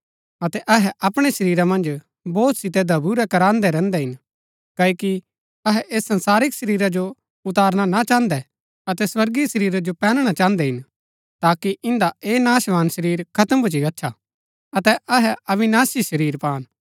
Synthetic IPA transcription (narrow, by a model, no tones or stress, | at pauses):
ɐt̪ɛʔɐɦɛʔɐpɽ̃ɛʃɐɾiːɾamɐ̃nd͡ʒ | bɔːt̪sɪt̪ɛd̪ʱɐbuːɾɛkɐɾãːnd̪ɛɾɛ̃ːnd̪ɛɦɪn | kɐːiki | ɐɦɛʔeːsːɐ̃nsaːɾɪkʃɐɾiːɾad͡ʒo | ʊt̪aːɾñanat͡ʃãːnd̪ɛ | ɐt̪ɛswɐɾɡisɐɾiːɾad͡ʒopɛːnɽ̃at͡ʃãːənd̪ɛɦɪn | t̪aːkiʔɪ̃nd̪aeːnaːʃʋaːnsɐɾiːɾkʰɐt̪əmbʊt͡ʃiɐtːʃʰa | ɐt̪ɛʔɐɦɛɐʋɪnaːsiʃɐɾiːɾpaːn